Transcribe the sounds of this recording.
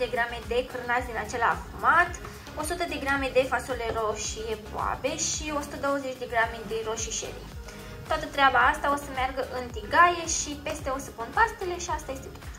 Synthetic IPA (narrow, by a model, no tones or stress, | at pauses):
d̪eɡɾame̞d̪e̞kɨrnazʲd̪inat͡ʃe̞la̰fumat̪ | o̞sut̪əd̪e̞ɡɾamed̪e̞fasule̞ɾoʃiepo̰a̰be̞ʃio̞su̥t̪əd̪o̞wəze̞t͡ʃʲd̪e̞ɡɾamed̪eɾo̞ʃiʃḛɾḭe | t̪oat̪ət̪ɾeabaast̪aosəmarɡəʔɨnt̪iɡaje̞ʃipe̞st̪e̞o̞səpunp̪ast̪e̞le̞ʃiast̪aje̞st̪et̪o